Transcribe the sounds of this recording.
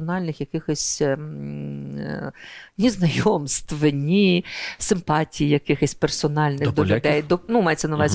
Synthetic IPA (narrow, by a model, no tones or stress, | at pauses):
ɔnɑlʲnɪxjɐkɪxɔsʲ | nʲiznɐjɔmst̪ʋɪnʲisɪmpɑtʲijijɐkɪxɔsʲpersɔnɑlʲnɪxd̪ɔlʲʊd̪ɛjd̪ɔnumɑjet͡sʲːɐnɐʋɑzʲ